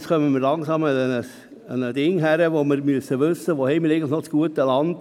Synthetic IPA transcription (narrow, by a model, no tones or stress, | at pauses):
skʰœməməɾlɑŋsɑməənəs | ənədɪŋɦæɾəʋoməɾmyəsːəʋʏsːəʋohɛɪməɾeɪɡətl̩ɪχnɔt͡sɡ̥uətəlɑnd